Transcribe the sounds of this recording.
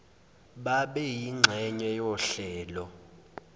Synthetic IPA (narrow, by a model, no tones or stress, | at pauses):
ɓaɓɛjiŋ͡ǁʱɛɲɛjɔɬɛːlɔ